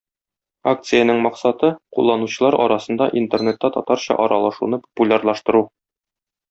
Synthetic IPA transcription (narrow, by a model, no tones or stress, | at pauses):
ak̚t̪sɨjənɘŋmɒqsɑt̪ɤqulˠːɑnuɕɤ̆lˠɑɾʔɒ̰ɾɑsɤ̆nd̪ɑʔint̪ernet̪ːæt̪ɒ̰t̪ɑɾɕɑ̰ʔɒɾɑlˠɑʃunɤpo̥pulʲarlˠɑʃt̪ɤ̆ɾu